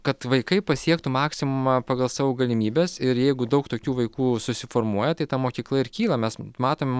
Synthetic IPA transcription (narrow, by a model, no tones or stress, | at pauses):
kɐt̪ʋɐɪkɐɪpɐsʲiɛkt̪ʊmɑːksʲɪmʊmɐpɑːɡɐlˠsɑːʋoːɡɐlʲɪmʲiːbʲeːsɪɾjɛɪɡʊd̪ɐʊkt̪oːkʲuːʋɐɪkuːsʊsʲɪfoːɾmuɔjɛt̪ɐɪt̪ɐmoːkʲiːklˠɐɪrkʲiːlˠɐmʲɛsmɑːt̪oːmʲɛ